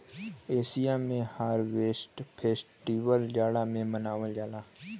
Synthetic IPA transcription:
eːsijamẽhaːɾʋeːsʈpʰeːsʈiːʋəld͡ʒaːɽamẽmənaːʋəld͡ʒaːlaː

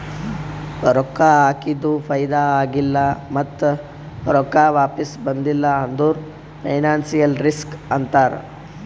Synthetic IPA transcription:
ɾɔkːaaːkid̪upʰɐjd̪aaːɡilːɐmɐt̪ː | ɾɔkaʋaːpisbɐnd̪ilːɐɐnd̪uːɾ | pʰɐjnaːnsijɐlɾiskɐnt̪aːɾ̰

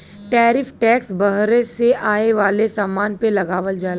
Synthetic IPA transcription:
ʈɛːɾɪfʰʈɛːksbɐɦɾeseʔaːeʋaːlesaːmaːnpelɐɡaːʋəld͡ʒaːl

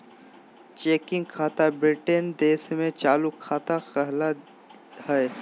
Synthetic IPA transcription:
t͡ʃeːkɪ̃ŋɡkʰaːt̪abɾiʈend̪eːsmẽt͡ʃaːlukʰaːt̪akɛɦla | hɛː

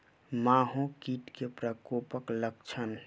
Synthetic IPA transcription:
maːɦõkiːʈkepɾəkopəklək̚t͡ʃʰən

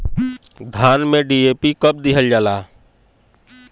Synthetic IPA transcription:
d̪ʱaːnmẽɖiːeːpikəp̚d̪ɪɦəld͡ʒaːlaː

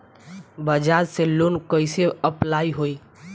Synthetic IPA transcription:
bəd͡ʒaɾselːonkəɪseəplaiɦoi

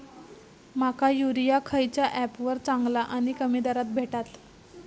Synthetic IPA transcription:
makajuɾijakʰəjt͡ɕjaʔæpʋəɾt͡saŋɡlaʔaɽ̃ikəmid̪aɾat̪̚bʱeʈat̪

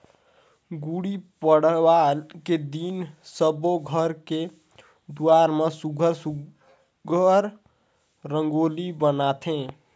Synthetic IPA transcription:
ɡuɽipəɽəwalked̪insəboɡʱəɾke | d̪uaɾmesuɡʱəɾsu | ɡʱəɾ | ɾəŋɡolibənat̪ʰẽ

